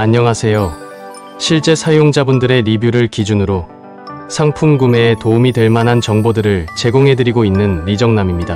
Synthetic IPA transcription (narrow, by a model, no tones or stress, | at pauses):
aɲːʌŋasʰe̞jo | ɕʰiɭt͡ɕ͈e̞sʰajoŋd͡ʑabundɯɾe̞ɾibjuɾɯɭkid͡ʑunɯɾo | sʰaŋpʰunɡume̞ːtoumidwe̞ɭmanɦant͡ɕʌŋbodɯɾɯɭt͡ɕe̞ɡoŋɦe̞dɯɾiɡoinːɯnːid͡ʑʌŋnamimɲida